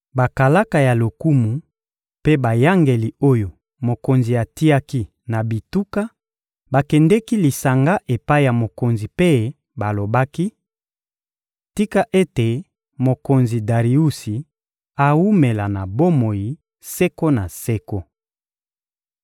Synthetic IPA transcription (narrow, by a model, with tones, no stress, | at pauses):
ba˨ka˨la˦ka˨ja˨lo˨ku˦mu˨ | pe˦ba˨ja˦ŋɡe˨li˨o˦jo˨ | mo˨ko˨nzi˨a˨ti˦ja˦ki˦ | na˨bi˨tu˦ka˦ | ba˨kɛ˨ndɛ˦ki˦li˨sa˨ŋɡa˦ʔe˨pa˦i˦˨ja˨mo˨ko˨nzi˨pe˦ | ba˨lo˨ba˦ki˦ | ti˦ka˦ʔe˦te˨ | mo˨ko˨nzi˨da˨ʁi˨u˦si˨ | a˨wu˦me˨la˨na˨bo˦mo˨ji˨ | sɛ˦ko˦na˨sɛ˦ko˦